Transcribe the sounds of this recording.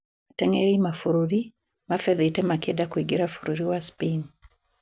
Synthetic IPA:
matɛŋɛɾimafuɾuɾi | mafɛðitɛmakedakwiɡiɾafuɾuɾiwaspin

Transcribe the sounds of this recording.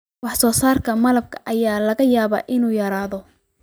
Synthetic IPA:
wɑħsɔːsaːrkʰɐmɐlɐb̚kʰɐ̥ʔɐjaːlɐɣɐjaːβa̰ːʔɪnuːjɐɾaːðɔ

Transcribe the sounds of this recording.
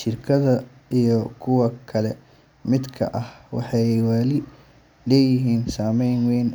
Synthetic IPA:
ʃɪrkʰɐðɐ | ijɞkʰʊwɐkʰɐlɛ | mɪd̪kʰɐ̰ʔɐhwɑ̰ħɑjwaːlɪ | lɛːjɪɦiːnsaːmɛjnwɛjn

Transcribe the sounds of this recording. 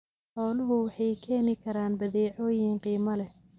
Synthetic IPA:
ħɔːlʊɦʊwɑħɑjkʰɛːnɪkʰɐɾaːnbɐðɛːʕɔːjiːnqiːmɐlɛ

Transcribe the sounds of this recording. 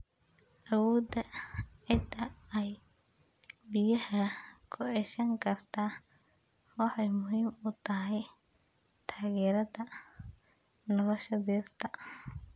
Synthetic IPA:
ʔɐwɔːd̪ɐʕɪd̪ʰɐɛj | bɪjɐhɐkʰʊʕɛʃɐŋkʰɐrt̪ʰaː | wɑħɑjmʊɦiːmʊt̪ʰɐɦɛj | t̪ʰaːɣɛːɾɐðɐ | nɐlɐʃɐðiːrt̪ʰɐ

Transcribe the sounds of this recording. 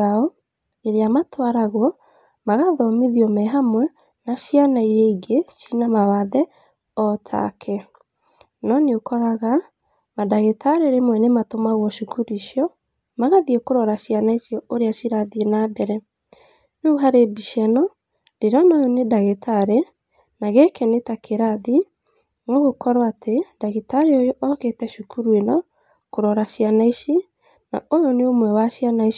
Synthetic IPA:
aɔ | eɾeamatwaɾaɣwɔ | maɣaðɔmiðiɔmɛɦamwɛ | naʃianaiɾeiɡeʃinamawaðɛ | ɔtʰa̰kʰɛ | nɔneokɔɾaɣa | madaɣetʰaɾeɾemwɛnematomaɣwɔʃukuɾiʃjɔ | maɣaðiekoɾɔɾaɕianaisjɔoɾeaʃiɾaðienabɛɾɛ | neuɦaɾebiʃɛnɔ | deɾɔnajɔnedaɣetʰaɾe | naɣekɛnetakʰeɾaði | ŋoɣokɔɾwatedaɣetaɾeojɔʔɔketɛʃukuɾuenɔ | koɾɔɾaʃianaiʃi | na̰ojɔneomwɛwaʃianaiʃ

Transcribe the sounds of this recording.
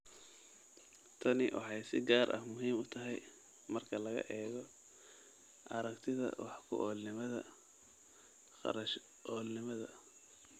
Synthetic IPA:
t̪ʰɐnɪwʔɑ̰ħɑjsɪ̰ɡaːɾʔɐ̰hmʊɦiːmʊt̪ʰɐɦɛj | mɐrkʰɐlɐɣɐ̰ʔɛːɣɔ | ʔɑɾɐkt̪ʰɪðɐ̰wɑ̰ħkʰʊ̰ʔɔːlnɪmɐðɐ | ɑ̰ɾɐʃ | ʔɔːlnɪmɐðɐ̰

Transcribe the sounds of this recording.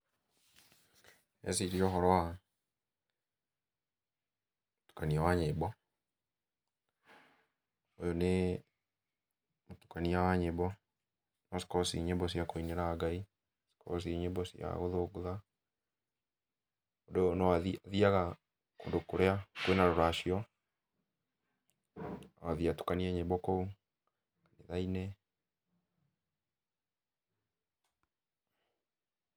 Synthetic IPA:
ḛsiɾiɔɦɔɾɔa | motu̥kaniawaɲebɔ | ojone | motu̥kaniawaɲebɔ | nɔsi̥kɔsḭɲebɔsjakoineɾaːɡai | si̥kʰɔ̰s̬iɲebɔsja̰ɣoðoɡoða | odonɔwaððiaɣa | kondokoɾeakwenaɾoɾaʃiɔ | awaðiatu̥kaniaɲebɔkou | aneðainɛ

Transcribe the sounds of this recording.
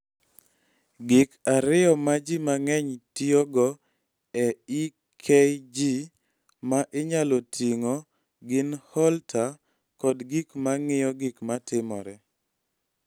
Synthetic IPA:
ɡɪkaɾɪɔmad͡ʒimaŋɛɲtioɡɔ | ɛi | kʰɛjd͡ʒi | maʔɪɲalɔtʰiŋɔ | ɡɪnhɔltʰa | kɔdɡikmaŋɪjɔɡɪkmatʰɪmɔɾɛ

